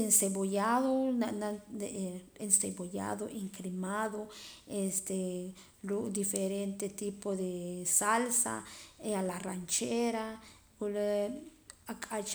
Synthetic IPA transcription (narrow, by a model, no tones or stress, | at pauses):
ensebojaðonand̪e | enseboja̰ðoʔiŋkɾimaðoest̪e | lud̪ifeɾent̪et̪ipoðesalsa̰ealarant͡ʃeɾa | kule | akʼat͡ʃ